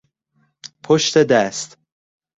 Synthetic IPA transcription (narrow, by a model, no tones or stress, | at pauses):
pʰoʃt̪ed̪æst̪